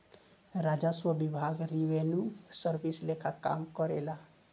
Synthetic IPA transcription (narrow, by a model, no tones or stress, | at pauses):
ɾad͡ʒaswəbibʱaɡɾiwenusəɾbislekʰaka̰mkɔɾela